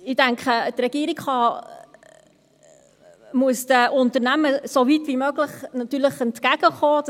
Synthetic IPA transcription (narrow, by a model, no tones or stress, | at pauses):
ɪdæŋkχətrɛɡ̥iəɾiɡχɑ | muəsd̥əʔʊntəɾnæməsovitvimøɡləχnɑt̪yːɾləχɛntkæɡ̥əχoː